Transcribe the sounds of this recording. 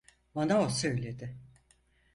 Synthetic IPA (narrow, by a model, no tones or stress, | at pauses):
manaosø̞jlʲe̞d̪ɪ